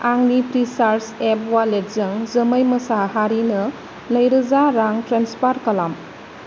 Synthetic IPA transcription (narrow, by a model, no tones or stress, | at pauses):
aŋnipɾisaɾsep̚walet̚zɐŋzɐməjmɐsaɦaɾinɐ | lɐjɾɐzaɾaŋtɾanspaɾkɐlam